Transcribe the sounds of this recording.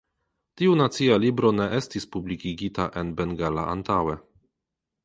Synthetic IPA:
tiunatt͡sialibɾo̞ne̞ʔe̞stispublikiɡitaʔe̞nbe̞ŋɡala̰ʔa̰ntawe̞

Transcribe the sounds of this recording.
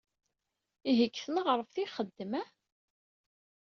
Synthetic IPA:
iɦəkːθənəʁəɾˤəfθiχəd̪ːəmæ

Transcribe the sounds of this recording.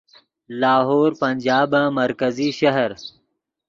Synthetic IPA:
laːɦoːɾpɐnʲd͡ʒaːbãmɐɾkɐziʃɐɦɐɾ

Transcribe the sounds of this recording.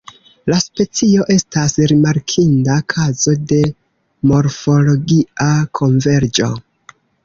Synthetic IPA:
laspe̞t͡sio̞ʔe̞stasɾimaɾkʰindakʰazo̞de̞ | mo̞ɾfo̞lo̞ɡiakʰo̞ɱve̞ɾd͡ʒo̞̰

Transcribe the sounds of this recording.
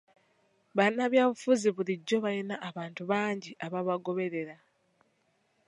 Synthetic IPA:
βanːaβjaːβufuziβuliɟːo̞βajenaʔːβaːntuβaːɲɟiʔaβaβaɡo̞βe̞ɾe̞ɾa

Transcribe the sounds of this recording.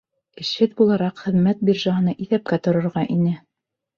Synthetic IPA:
ɘ̆ʃɘt̪̚bulˠɑɾɑqχɘ̆ðmæt̪̚biɾʒɑɦɤ̆nɑʔiθæp̚kæt̪ŏɾŏɾʁɑʔinɘ

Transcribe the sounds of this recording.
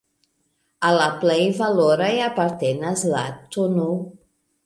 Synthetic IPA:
alaplejvaloɾajapaɾt̪enɐzla̰t̪unu

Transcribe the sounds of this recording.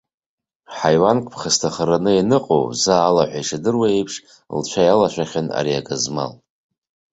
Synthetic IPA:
ħajwankʷʼpʰχəstʰaχəɾanɨenɨqʼo̰wzaːlaħʷajʂadɨrwaejpʰʂ | lt͡ʃʷʰajalaʃʷaχʲana̰ɾia̰ɡʼazma̰l

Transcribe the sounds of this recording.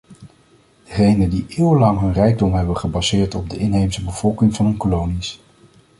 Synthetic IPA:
d̥əχejnəndiʔɪːwəlɑŋɦɵnrɛjɡ̚dɔmɦɛbəχəbɑzɪːɹtɔb̚dəʔɪnɦejmsəbəv̥ɔlˠkɪŋvɑnɦɵnkolownis

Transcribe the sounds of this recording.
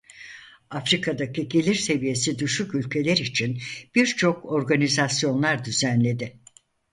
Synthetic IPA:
afɾikʰad̪acʰiɟe̞lʲiɾse̞vije̞sid̪yʃycylʲcʰe̞lʲæɾit͡ʃʰinb̥iɾt͡ʃʰo̞kʰo̞ɾɡanizasjo̞nlˠaɾd̪yzænlʲe̞d̪ɪ

